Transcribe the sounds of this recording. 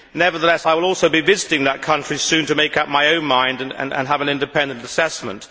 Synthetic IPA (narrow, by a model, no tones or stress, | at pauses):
nɛvə˞ðəlɛsaɪwəlˠɔlˠsoʊbivɪzɨɾɪ̃ŋðət̚kʰʌ̃nt͡ʃɹ̥isʉ̃ntɨmeɪkʌp̚maɪõʊ̃nmãɪ̃ndɨ̃nɨ̰̃nɨ̰̃nəvɨ̃nɪ̃ndɨpʰɛ̃ndɨ̃ntɨsɛsmə̰̃nt